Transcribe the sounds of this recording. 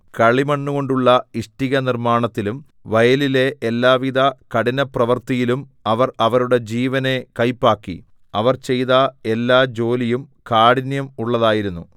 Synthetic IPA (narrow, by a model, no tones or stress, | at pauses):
kɐɭimɐɳːuɣo̞ɳɖuɭːɐiʂʈiɣɐnirmaːɳɐt̪ːilum | ʋɐjɐlile̞ʔːlːaːʋid̪ɐkɐɽinɐprɐʋɐrt̪ijilum | ɐʋɐrɐʋɐɾuɽe̞d͡ʑiːʋɐne̞kɐjpːaːkːḭ | ɐʋɐrt͡ɕe̞jt̪ɐe̞lːaːd͡ʑo̞ːlijumkaːɽinjɐmuɭːɐðaːjiɾunːu